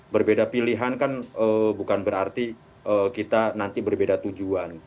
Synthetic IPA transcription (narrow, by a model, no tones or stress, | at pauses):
bərbedapiliɦankanəbukanbəɾart̪i | ʔəkit̪anant̪ibərbedat̪ud͡ʒuan